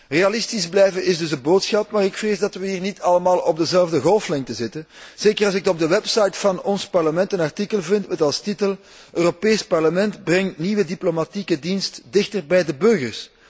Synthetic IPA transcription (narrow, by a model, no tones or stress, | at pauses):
realɪstizblɛjvəʔɪzdɵzəboːtsxɑp̚maːɾɪkfreːzdɑtʋəɦiːrnitʰɑləmaːlˠɔb̚dəzɛlvdəɣɔlˠflɛŋtəzɪtənz̥eːkərɑlˠz̬ɪk̚ɔb̚dəwɛpsɑjtfɑnɔnspɑrləmɛntənɑrtikəlˠvɪntmɛtɑlˠstitəlˠ | ʔøːropeːspɑrləmɛntbrɛŋtniːʋədiplomatikədinstdɪxtərbɛjdəbɵrɣərs